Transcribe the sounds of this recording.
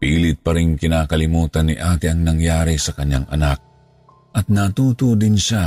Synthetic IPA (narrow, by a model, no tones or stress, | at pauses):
piːlɪt̪̚pɐɾɪŋkɪnaːkɐlɪmuːt̪anːɪʔaːt̪ɪɐŋnɐŋjaːɾisɐkɐɲːaŋʔɐ̰nak̚ | ʔɐt̪̚nat̪uːt̪od̪ɪnʃa